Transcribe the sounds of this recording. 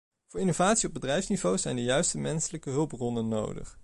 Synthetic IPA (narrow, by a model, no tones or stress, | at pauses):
v̥ʊːɹinovaːtsiɔbədrɛjfsnivowzɛjndəjœɥstəmɛnsələkəɦɵlˠp̚rɔnənːo̰wdə̰χ